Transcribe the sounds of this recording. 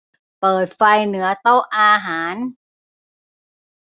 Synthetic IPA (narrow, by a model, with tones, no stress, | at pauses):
pɤː˨˩t̪̚fa˧jnɯ˩˦ɐt̪o˥˩wʔaː˧ɦaː˩˦n